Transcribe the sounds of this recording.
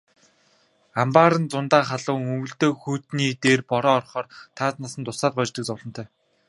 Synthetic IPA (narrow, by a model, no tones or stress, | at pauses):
ampaːɾə̆nt͡sʊnt̪aːχaɮʊːŋɵmɵ̆ɬt̪oːxuːt̪niːt̪eːrpɔɾɔːrχɔːrt̪ʰaːt͡s̪nasə̆nt̪ʊsaːt̪̚ɢʊːt͡ɕt̪ə̆kt͡sʊːɮɞ̥̆t̪ʰœː